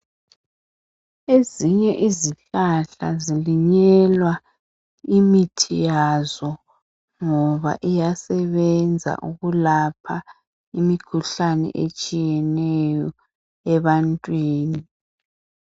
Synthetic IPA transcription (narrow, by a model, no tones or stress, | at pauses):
eziɲɛʔiziɬaɬa̰ziliɲɛlwa | imitʰijazɔ | ŋɔβa̰ʔijasɛβɛnd͡zʱa̰ʔuɣulapʰa | imikʰuɬanɛ̰ʔḛt͡ʃʼijɛnɛjɔ | ɛβantʼwiːni